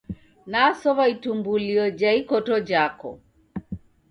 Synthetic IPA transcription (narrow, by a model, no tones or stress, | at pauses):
nasɔβaitumbuliɔd͡ʒaikɔtɔd͡ʒakɔ̰